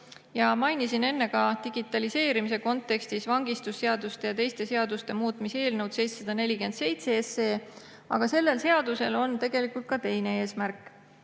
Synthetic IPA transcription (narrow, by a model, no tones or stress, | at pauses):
jɑmɑjnisine̞nːe̞kɑt̪iɡ̥it̪ːˑɑlise̞ːɾimise̞ko̞nt̪ːˑe̞kst̪isvɑŋɡist̪usːe̞ɑd̪ust̪e̞jɑt̪e̞jst̪e̞se̞ɑd̪ust̪e̞muːt̪mise̞ːlnɤwt̪se̞jt̪sɑd̪ɑne̞lʲike̞nd̪se̞jt̪seese̞ː | ɑ̰ɡ̥ɑse̞lːe̞lse̞ɑd̪̥use̞lo̞nt̪e̞ɡ̥e̞likult̪̚kɑt̪e̞jne̞e̞ːsmærkːˑ